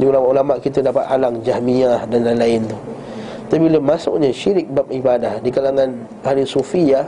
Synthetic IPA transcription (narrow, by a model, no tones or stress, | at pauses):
diulamaʔulamaʔkit̪ədapat̪̚alaŋd͡ʒahmiahdanlalaɪnt̪u | t̪abiləmasʊ̰ʔɲaʃiɾɪk̚bap̚ibadahdikalaŋãn | haɾisufia